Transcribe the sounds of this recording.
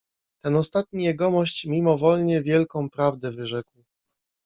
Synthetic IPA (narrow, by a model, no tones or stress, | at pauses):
t̪ɛnɔst̪at̪̚ɲijɛɡɔmɔɕt͡ɕmʲimɔvɔlɲɛvʲjɛlkɔ̃w̃pɾavd̪ɛvɘʐɛkw